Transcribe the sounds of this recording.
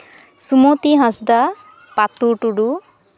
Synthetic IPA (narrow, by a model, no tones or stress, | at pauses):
sumot̪iɦãsd̪a | pat̪uʈuɖu